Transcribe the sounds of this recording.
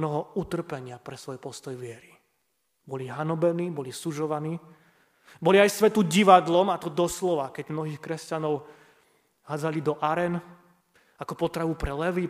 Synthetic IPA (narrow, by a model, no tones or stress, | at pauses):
nɔɦɔut̪r̩pɛɲɪapɾɛsʋɔjpɔst̪ɔjʋɪɛɾi | bɔliɦanɔbɛniːbɔlisuʒɔʋaniː | bɔliajsʋɛt̪uɟiʋad̪lɔmat̪ɔd̪ɔslɔʋakɛɟmnɔɦiːxkɾɛscanɔʊ | ɦaːd͡zalid̪ɔʔaɾɛn | akɔpɔt̪ɾaʋupɾɛlɛʋi